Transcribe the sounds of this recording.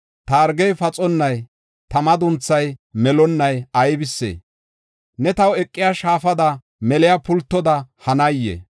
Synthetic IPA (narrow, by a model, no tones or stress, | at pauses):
t̪ɐːɾɡɛjfɐt͡sʼɔnːɐj | t̪ɐmɐd̪ʊnt͡sːɐjmɛlɔnːɐjɐjbɪsːḛː | nɛt̪ɐwɛkʼːɪjaʃaːfɐd̪ɐ | mɛlɪjapʊlt̪ːɔd̪ɐhɐnɐjːḛ